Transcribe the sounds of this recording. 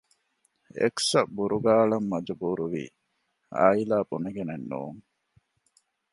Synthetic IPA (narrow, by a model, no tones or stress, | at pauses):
ḛksɐbuɾuɡaːɭɐmːɐd͡ʒubuɾuʋḭː | a̰ːilaːbuneɡenenːṵːŋ